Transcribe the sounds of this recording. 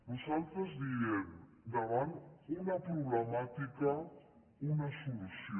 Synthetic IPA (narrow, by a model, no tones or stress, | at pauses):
nusalt̪ɾəzd̪iem | d̪aɾanunɐpɾuβlemat̪ika | unasulusjo